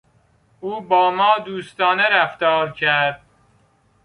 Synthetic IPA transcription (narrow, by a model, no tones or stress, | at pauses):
uːbɒːmɒːd̪uːst̪ɒːneɾæft̪ɒːɾcʰæɾd̪̥̚